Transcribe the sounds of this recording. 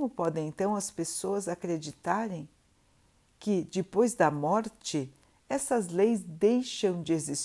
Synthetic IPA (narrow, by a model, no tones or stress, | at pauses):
mʊpɔd̪ẽẽnt̪ɐ̃w̃ɐspesoɐzakɾed͡ʒit̪aɾẽj̃ | kɪd͡ʒɪpojzd̪ɐmɔɾt͡ʃɪ | ɛsɐzlejzd̪ejʃɐ̃w̃d͡ʒɪezis